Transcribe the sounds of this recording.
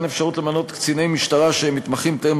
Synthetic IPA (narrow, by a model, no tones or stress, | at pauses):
ne̞fʃaʁut̪lemano̞t̪kt͡sinejmiʃt̪aʁaʃeemːit̪maχimt̪em